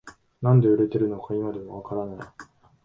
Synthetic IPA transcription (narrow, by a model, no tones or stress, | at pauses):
nãnd̪e̞ɯ̟ɾe̞t̪e̞ɾɯ̟no̞kʰaimad̪e̞βaβakaɾanaj